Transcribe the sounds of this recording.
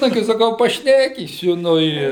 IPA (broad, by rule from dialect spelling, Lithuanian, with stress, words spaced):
ˈnɑːɡʲɪ sɐˈkɐʊ pɐˈʃʲnʲæːkʲiːsʲʊ ˈnʊ ɪ